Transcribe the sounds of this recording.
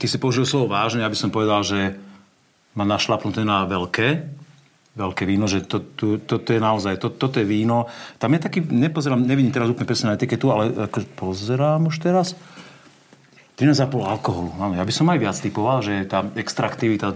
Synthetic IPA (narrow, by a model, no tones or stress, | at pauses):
t̪isipɔuʒilslɔʋɔʋaːʒnɛjabisɔmpɔʋɛd̪alʒɛ | manaʃlapnut̪ɛnaʋɛlkɛː | ʋɛlkɛːʋiːnɔʒɛt̪ɔt̪ut̪ɔt̪ɔjɛnaɔzajt̪ɔt̪ːɔt̪ɔjɛʋiːnɔt̪amjat̪akiːɲɛpɔzɛɾaːmɲɛʋiɟimt̪ɛɾazuplɲɛpɾɛsɲɛnaɛt̪ikɛt̪ualɛakɔʒɛpɔzɛɾaːmuʃt̪ɛɾas | t̪ɾinaːzd͡zapɔlalkɔɦɔluaːnɔjabisɔmajʋɪat͡st̪ipɔʋalʒɛt̪aːɛkst̪ɾakt̪iʋit̪a